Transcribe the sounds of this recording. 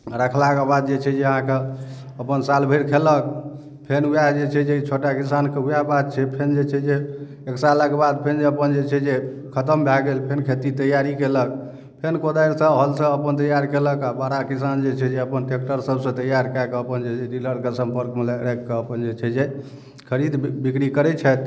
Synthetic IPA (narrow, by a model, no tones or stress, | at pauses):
ɾəkʰlakebad̪̚d͡ʒet͡ʃʰɛd͡ʒeəɦãke | əpənsalbʱəɾkʰelək̚ | pʰenɦujad͡ʒet͡ʃʰɛd͡ʒeit͡ʃʰoʈakisankeɦujabad̪̚t͡ʃʰɛpʰend͡ʒet͡ʃʰɛd͡ʒe | eksalakebad̪̚pʰend͡ʒeəpənd͡ʒet͡ʃʰɛd͡ʒe | kʰət̪əmbʱaɡelpʰenkʰet̪it̪əjaɾikelək̚ | pʰenkod̪ajɾsə̃ɦəlsə̃əpənt̪əjaɾkeləkabaɾakisand͡ʒet͡ʃʰɛd͡ʒeəpənʈek̚ʈəɾsəbsə̃t̪əjaɾkakəpənd͡ʒed͡ʒɛɾiləɾkesəmpəɾkmeleɾekːeəpənd͡ʒet͡ʃʰɛd͡ʒe | kʰəɾid̪bikɾikəɾɛt͡ʃʰɛt̪